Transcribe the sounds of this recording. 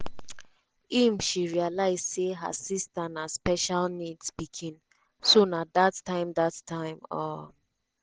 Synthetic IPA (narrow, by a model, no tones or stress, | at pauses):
imʃiɹialaɪzseɦə̰sistanaspɛʃalnidsbikʰĩn | sũnat̚d̪atʰːãɪ̃mdatːʰãɪ̃mɔ̰